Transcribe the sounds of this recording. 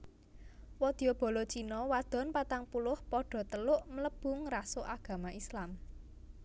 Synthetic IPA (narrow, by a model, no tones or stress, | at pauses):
wɔd̪̥ijob̥ɔ̤lot͡ʃinɔwad̪̥ɔ̤npat̪aŋpulʊhpɔɖ̥ɔ̤t̪əlʊʔmələb̥ʊ̤ŋrasoʔaɡ̥ä̤maʔislam